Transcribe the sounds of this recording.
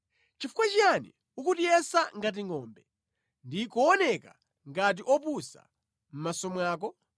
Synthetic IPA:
t͡ʃifukwat͡ʃianḭ | ukutijɛsaŋɡat̬iŋɔːmbɛ | ndikɔɔnɛka̰ | ŋɡat̬iʔɔpusa̰ | m̩masɔmwaːk̬ɔ

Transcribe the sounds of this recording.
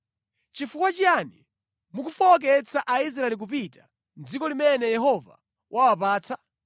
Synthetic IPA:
t͡ʃifukwat͡ʃiani | mukufɔɔk̬ɛt͡sʰaʔais̬ɾaɛlik̬up̬ita | nd͡zikɔlimɛnɛjɛɦɔva̰ | wʔawap̬aːt͡sʰa

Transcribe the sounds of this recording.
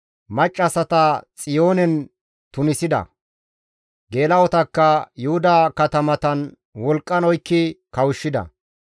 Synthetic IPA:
mɐt͡ʃʼːɐsɐt̪ɐt͡sʼɪjo̞ːnɛn | t̪ʊnɪsɪd̪ɐ̰ | ɡe̞ːlɐwɔt̪ɐkːɐjʊhʊd̪ɐkɐt̪ɐmɐt̪ɐn | wɔlkʼːɐnɔjkːɪkɐwʊʃːɪd̪ɐ̰

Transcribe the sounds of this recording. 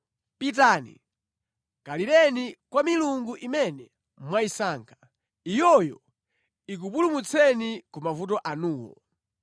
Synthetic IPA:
pit̬aːnḭ | kaliɾɛnikwamiluŋɡuʔimɛnɛ | mwaisaːŋkʰḁ | ijɔjɔ | ik̬upulumut͡sʰɛnikumavut̬ɔʔanuːwɔ̰

